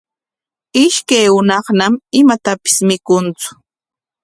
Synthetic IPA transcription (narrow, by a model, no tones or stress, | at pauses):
ɪʃkajwʊnɑχnamɪmat̪apɪ̥smɪkʊnt͡sʊ̥